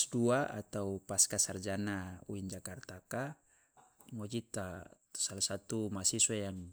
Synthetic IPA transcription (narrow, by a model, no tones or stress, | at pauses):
sduaa̰t̪aupaskasard͡ʒanauind͡ʒakart̪aka | ŋɔd͡ʒit̪at̪u̥salasat̪umasisuajaŋ